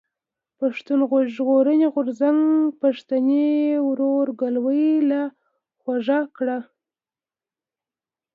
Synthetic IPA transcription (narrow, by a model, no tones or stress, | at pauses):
paʂt̪unɣoʒɣoɾəneɣʊɾzaŋɡpaʂt̪anewɾoɾɡalwəjla | xwaʐakɽa